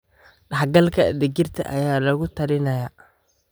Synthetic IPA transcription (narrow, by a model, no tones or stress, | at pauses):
ɖɑħɡɐlkʰɐɐ̰d̪ɛɡɪrt̪ʰɐ̰ʔɐjaːlɐɣʊt̪ʰɐɾɪnɐja